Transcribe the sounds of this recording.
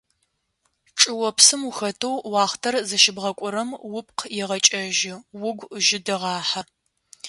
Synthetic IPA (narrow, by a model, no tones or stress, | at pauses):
ʈ͡ʂʼɨwɔpsɨmuxɐtʰɐwwɑːχtʰɐrzɐʃɪbʁɐkʷʼʊɾɐmwʊpʼqʰjɛʁɐt͡ʃʼɐʒɪwʊɡʷʒɪdɐʁɑːħɐ